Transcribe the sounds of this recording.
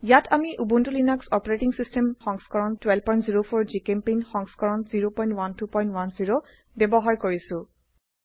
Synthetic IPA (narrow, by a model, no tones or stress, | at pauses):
jatʰamiʔubuntulinaksɔpɔɹeʈiŋsistʰemxɔŋskɔɹɔntwɛlpɔjntziɹopʰɔɹd͡ʒikempinxɔŋskɔɹɔnziɹopɔ̃j̃ntwantupɔj̃ntwanziɹo | bebɔɦaɹkoɹisʊ̃